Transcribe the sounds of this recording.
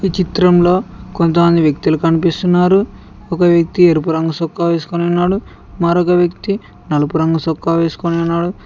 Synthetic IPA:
iːt͡ʃit̪ɾɐmlo̞ːkont̪ɐmɐnd̪iʋjɐk̚t̪ilukɐnipist̪unːaːɾu | ɔkɐʋjɐk̚t̪ieɾup̬uɾɐŋɡɐsokːaːʋeːsu̥koneunːaːɽu | maːɾɔkɐʋjɐkt̪i | nɐlɐpuɾɐŋɡɐsokːaːʋeːsu̥koneunːaːɽu

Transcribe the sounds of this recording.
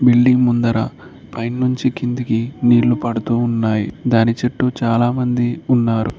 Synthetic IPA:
biɭːiŋmund̪ɐɾɐ | pɐjnnuɲt͡ʃikind̪ikiniːɭːupɐɽut̪uːnːaːjḭd̪aːnit͡ʃɐʈːut͡ʃaːlaːmɐnd̪iunːaːɾṵ

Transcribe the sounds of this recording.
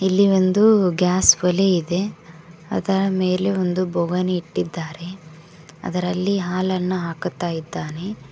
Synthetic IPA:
ilːio̞nd̪uɡaːsʋɐleid̪e̞ɐ̰d̪ɐɾɐme̞ːleond̪ubʱɔɡɐniiʈːid̪ːaːɾe̞ | ɐ̰d̪ɐɾɐlːiɦaːlɐnːɐɦaːkt̪ːaːjid̪ːaːne̞

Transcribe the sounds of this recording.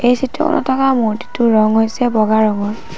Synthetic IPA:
ejsitɔkɔ̰nʔɔ̰tʰɔkamoɹti̥tʊɹɔŋɦojsɛbɔɡaɹɔŋɔɹ

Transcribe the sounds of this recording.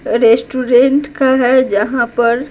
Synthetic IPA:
ɾeːsʈuːɾẽɳʈkaɦɛd͡ʒɐɦãpɐɾ

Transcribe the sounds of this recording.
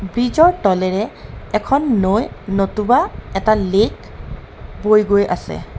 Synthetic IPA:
bɹizɔɹʈɔlɛɹɛːkʰɔnːojnotubaɛtalek | bojɡojʔa̰sɛ̰

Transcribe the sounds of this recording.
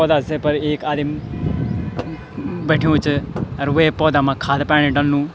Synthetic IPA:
ɔːd̪asepɐɾeːkaːd̪im | beʈʰijũt͡ʃɐɾʋepɔːd̪amãkʰaːd̪paːɽ̃ẽɖɐnːũː

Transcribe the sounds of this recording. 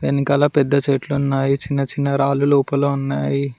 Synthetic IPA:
enːikɐlaːpɛd̪ːɐt͡ʃeːʈluunːaːjit͡ʃinːɐt͡ʃinːɐɾaːluluːpɐloːunːaːji

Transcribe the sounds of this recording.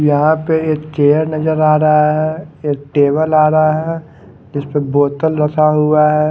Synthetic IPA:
jɐɦãpeeːkt͡ʃeːəɾnɐd͡ʒəɾaːɾɐɦaɦɛːeːk̚ʈeːbəlaːɾaɦɛ | d͡ʒɪspeboːt̪əlɾɐt̪ʰaɦuaɦɛː

